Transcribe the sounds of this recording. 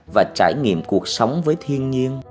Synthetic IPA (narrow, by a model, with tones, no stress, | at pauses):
vaː˨˩t͡ɕa̰ː˧˩jŋḭ˧˨əmku˨˩ək̚sə˨˦wŋ͡mvəː˨˦jt̪ʰi˧ənɲi˧ən